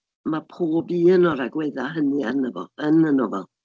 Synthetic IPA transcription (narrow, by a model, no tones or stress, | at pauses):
mapʰoːbiːənɔɾaɡweɨðaɦənɨənəvɔ̰ənənɔvɔ